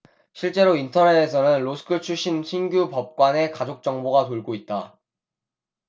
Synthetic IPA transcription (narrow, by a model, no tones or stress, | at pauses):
ɕʰiɭt͡ɕ͈e̞ɾointʰʌnedesʰʌnɯnɾosʰɯ̥kʰɯt͡ɕʰuɕ͈ʰinɕʰinɡjupʌp̚k͈wane̞kad͡ʑok̚t͡ɕ͈ʌŋboɡatoɭɡoit̚t͈a